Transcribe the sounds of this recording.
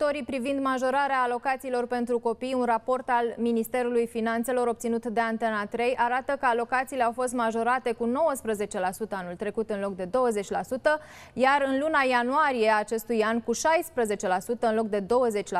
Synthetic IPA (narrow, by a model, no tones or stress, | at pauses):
t̪o̞ɾipɾivind̪maʒo̞ɾaɾeaːlo̞kat̪siːlo̞rpe̞nt̪ɾuko̞pijunrapo̞rt̪alminist̪e̞ɾulujfinant̪se̞lo̞ɾo̞p̚t̪sinut̪d̪e̞ant̪enat̪ɾe̞jʔaɾat̪əkəalo̞kat̪siːleawfo̞s̬t̪maʒo̞ɾat̪e̞kuno̞wəspɾəze̞t͡ʃe̞lasut̪əanult̪ɾe̞kut̪ɨnlo̞k̚d̪e̞d̪o̞wəze̞t͡ʃʲla̰sut̪ə | jaɾɨnlunajanuaɾije̞aːt͡ʃe̞st̪ujankuʃajspɾəze̞t͡ʃe̞lasut̪əɨnlo̞k̚d̪e̞d̪o̞wəze̞t͡ʃʲl